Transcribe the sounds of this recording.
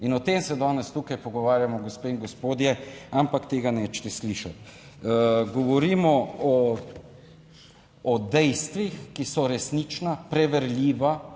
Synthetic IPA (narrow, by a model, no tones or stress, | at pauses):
inɔt̪eːmsɛd̪ɔːnɛst̪ukajpɔɡɔʋaːɾjamɔɡospeiŋɡospoːd̪jɛampakt̪eːɡanɛt͡ʃt̪ɛsliːʃat̪ | ɡɔʋɔɾiːmɔɔ | ɔd̪ɛjst̪ʋixkisɔɾɛsnit͡ʃnapɾɛʋɛɾlʲiːʋa